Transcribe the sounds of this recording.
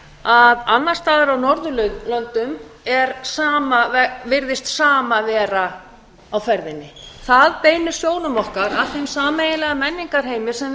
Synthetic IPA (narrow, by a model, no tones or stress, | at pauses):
aðanːaɾ̥st̪aːðɪɾawnɔɾðʏlœɥðlœnt̪ʏmɛɾsaːmavɛvɪɾðɪst̪saːmavɛːɾa | awfɛɾðɪnːɪθaðpeːjnʏ̥sjoːwnʏmɔhkaɾaθejmsaːmejɪlɛɣamɛnːiŋkaɾ̥ɦeːjmɪ̥sɛm